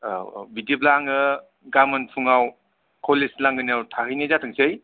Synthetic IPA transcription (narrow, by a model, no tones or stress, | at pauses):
bidiblaŋɯ | ɡamɯnpʰuŋaw | kʰoleslaŋɡɯniawtʰaɦɯjnezatʰɯŋsɯj